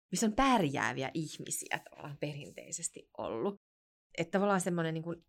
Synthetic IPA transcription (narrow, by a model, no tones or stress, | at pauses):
misːompærjæ̰ːʋiæ̰ʔihmḭsḭæ̰t̪ɑʋɑ̰lːɑ̰ːmperint̪ḛisest̪iʔʔo̰lːu | ʔet̪t̪ɑʋɑlːˑɑːnsemːoneniŋkun